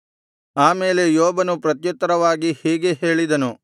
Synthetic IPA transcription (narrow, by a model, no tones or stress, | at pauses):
aːme̞ːle̞joːbɐnupɾɐt̪jut̪ːɐɾɐʋaːɡihiːɡe̞ɦe̞ːɭid̪ɐnu